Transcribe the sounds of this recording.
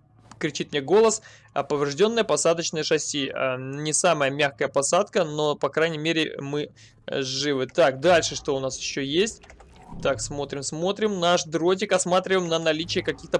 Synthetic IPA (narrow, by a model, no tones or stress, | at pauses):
kɾʲɪt͡ɕit̪̚mʲnʲeɡo̞lˠəs | ɐ̰pəvɾʲɪʐdʲo̞nːɨjəpɐsad̪ət͡ɕnɨjəʂɐsʲia̰nʲɪsaməjəmʲaxkəjəpɐsat̪kəno̞pɐkɾajnʲɪjmʲeɾʲɪ̰mɨ | ʐːɨvɨt̪akd̪alʲʂɨʂt̪o̞ʊnasjɪɕːojesʲtʲ | t̪aksmo̞t̪ɾʲɪmsmo̞t̪ɾʲɪmnaʂd̪ɾo̞t̬ʲɪkɐsmat̪ɾʲɪvəjmnənɐlʲit͡ɕɪəkɐkʲixt̪ə